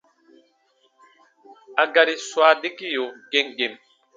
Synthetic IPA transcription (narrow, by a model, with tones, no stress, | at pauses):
a˨ɡa˨ɾi˨swa˨di˦ki˦jo˨ɡe˨ŋɡe˨m